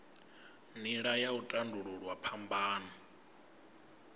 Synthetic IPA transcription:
niɺajautʼanduɺuɺwapʰambaːna

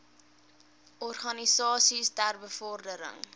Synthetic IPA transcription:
ʔɔrχɐnisɑːsistæːrbəfɔrdəɾə̰ŋ

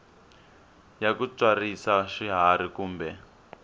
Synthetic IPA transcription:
jakut͡swarisaʃiɦaɾikuːmbɛ

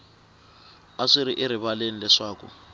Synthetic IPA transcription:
aʂiɾiʔɪɾiβalenilɛʂaːkṵ

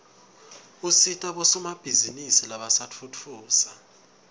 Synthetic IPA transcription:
usitʼaɓɔsɔmab̥ʱizinisilaɓasat͡fʰut͡fʰuːsa

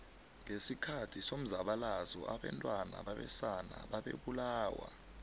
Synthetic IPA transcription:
ŋesikʰatʰisom̩zaɓalazɔʔaɓɛ̰ntʼwana̰ɓaɓɛ̰sana̰ɓaɓḛɓulaːwa̰

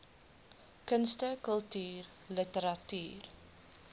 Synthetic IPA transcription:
kənstəkəlˠtyːr | lətəɾɐty̰ːr

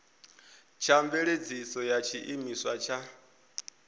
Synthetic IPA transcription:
t͡ʃʰaɱveɺed͡zisɔjat͡ʃʰiʔimiswat͡ʃʰa

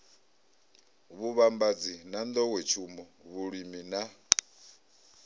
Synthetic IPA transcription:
βuβambad͡zinand̪ɔwɛt͡ʃʰumɔβuɺimina

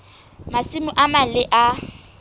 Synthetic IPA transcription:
masɪmʊʔamalɪʔa

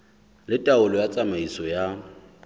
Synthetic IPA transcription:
lɪtʼaʊlɔjat͡sʼamaisɔja

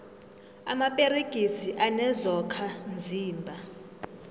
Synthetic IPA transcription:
a̰mapʼeɾeɡ̥ʱisiʔanɛzɔkʰand͡zʱiːmbʱa

